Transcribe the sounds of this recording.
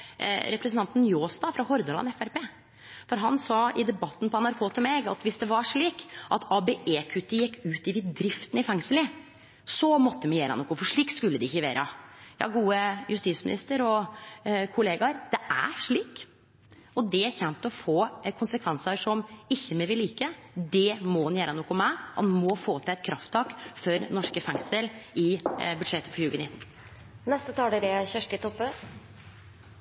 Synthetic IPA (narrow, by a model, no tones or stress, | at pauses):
ɾɛpɾəsnʰɑnt̪njoːst̪ɑfɾɑhɔɾd̪əlɑ̰nɛfæɾpeː | fɔɾɦɑnsɑːɪd̪ɛbɑt̪ːn̩pɔɛnɑɾkʰoːt̪ʰɪlmɛɡɑt̪ʋɪsd̪ɛʋɑʂɭiːkʔɑt̪ɑːbeʔeːkʰʉt̪ːɪjɛkːʉːt̪ɪʋɪd̪ɾɪft̪ənɪfɛŋsəlɪ | sɔmɔt̪ːəmɛjeːɾəɑnɔkːʊfɔʂɭiːkskʉlːəd̪ɪɪçəʋḛːɾʔə̰jɑ̰ːɡuːəjʉst̪iːt̪smɪnɪ̰st̪əɾɔ | kʰʊleːɡɑɾd̪̥ɛʔæ̰ʂɭiːk | ɔd̪ɛæɾçɛnt̪ɔfoːkʰʊnsəkʰʋɛnsɑʂɔmɪçːəmɛʋɪliːkəd̪ɛmɔnjæːɾənuːkːʊmæɪʔɑ̰nmɔfoːt̪ʰɪlɛɪt̪kʰɾʔɑft̪ʰːɑːkfɔɾnɔʂkəfɛŋsəlɪbʉd̪ʂɛt̪ːə̥fɔɾjʉːɡənɪt̪ːn̩ | nɛst̪ət̪ʰɑːɖɛd̪ɛçœʂʈɪt̪ʰɔpːə